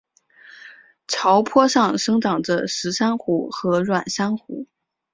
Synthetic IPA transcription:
ʈ͡ʂʰɑ˧˥ʊpʰwɔ˥ʂɑ˥˧ŋʂɤ˥ŋʈ͡ʂɑ˨˩ŋʈ͡ʂə˦ʂɻ̩˧˥ʂa˥nxu˧˥xɤ˧˥ɻwa˨˩nʂa˥nxṵ˧˥

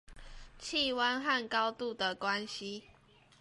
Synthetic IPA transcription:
t͡ɕʰi˥˨wa˦nɦa˥˨nkɑ˦ʊt̪u˥˨d̪ə˨kwa˦nɕi˦

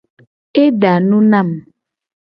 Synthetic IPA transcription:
e˦ɖa˨nũ˦nã˦˨m

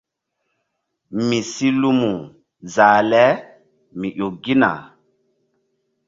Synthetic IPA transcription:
mi˨si˦lu˦mu˨ | za˨lɛ˦ | mi˨ʔo˨ɡi˦na̰˨

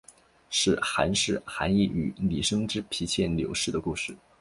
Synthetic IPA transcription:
ʂɻ̩˥˩xa˧˥nʂɻ̩˥˩xa̰˧˥ni˥˩y̰˨˧˩li˨˩ʂɤ˥ŋʈ͡ʂɻ̩˥pʰi˧˥t͡ɕʰjɛ˥˩nljo˧˥ʊʂɻ̩˥˩d̪ə˩ku˥˧ʂɻ̩˥˩

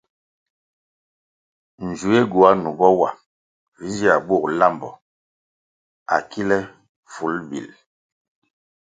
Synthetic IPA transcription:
n˨d͡ʒu˨˦e˦ɡu˨a˦nu˨bɔ˦wa˨ | vi˨˦nd͡ʒi˦a˨bu˦˨k̚la˦˨mbɔ˨ | a˨ki˦lɛ˦ | fu˨˦lbḭ˨l

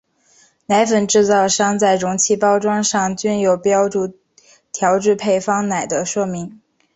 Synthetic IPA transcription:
na˧˥ɪfə˨˩nʈ͡ʂɻ̩˥˧t͡sɑ˥˩ʊʂɑ˥ŋt͡sa˥˩ɪɻʊ˧˥ŋt͡ɕʰi˥pɑ˥ʊʈ͡ʂwɑ˥ŋʂɑ˥˩ŋt͡ɕy˥˩njo˨˩ʊpjɑ˥ʊʈ͡ʂu˥˩ | t̪ʰjɑ˧˥ʊʈ͡ʂɻ̩˥˧pʰe˥˩ɪfɑ˥ŋna˨˩ɪd̪ə˦ʂwɔ˥˩mi˧˥ŋ

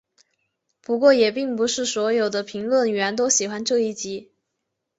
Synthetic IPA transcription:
pu˧˥kwɔ˥˩jɛ˨˩pi˥˩ŋpu˧˥ʂɻ̩˥˩swɔ˧˥jo˨˩ʊd̪ə˦pʰi˧˥ŋlwə˥˩ny˨ɥɛ˧˥nt̪̬o˥ʊɕi˨˩xwa˧˥nʈ͡ʂɤ˥˧i˥˩t͡ɕi˧˥

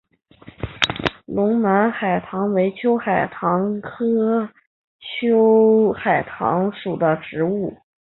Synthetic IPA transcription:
lʊ˧˥ŋna˧˥nxa˨˩ɪt̪ʰɑ˧˥ŋwe˧˥ɪt͡ɕʰjo˥ʊxa˨˩ɪt̪ʰɑ˧˥ŋkʰɤ˥ | t͡ɕʰjo˥ʊxa˨˩ɪt̪ʰɑ̰˧˥ŋʂu˨˩d̪ə˦ʈ͡ʂɻ̩˧˥u˥˩

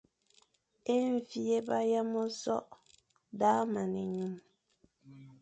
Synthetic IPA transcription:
e˦ɱ˨fi˦e˦ba˦ja˦mɔ˦sɔ̰˦ʔ | da˨˦ma˨ne˨ɲu˨m

